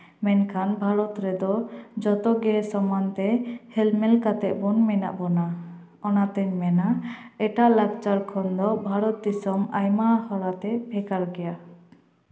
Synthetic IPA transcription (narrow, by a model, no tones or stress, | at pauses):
mɛnkʰanbʱaɾɔt̪ɾɛd̪ɔd͡ʒɔt̪ɔɡɛsɔmant̪ɛhɛlmɛlkat̪ɛʔ̚bunmɛna̰ʔbɔna | ɔnat̪ɛɲmɛnaɛʈaʔlaɡt͡ʃaɾkʰɔnd̪ɔbʱaɾɔt̪̚d̪isɔmajmahɔɾat̪ɛbʱɛkaɾɡɛja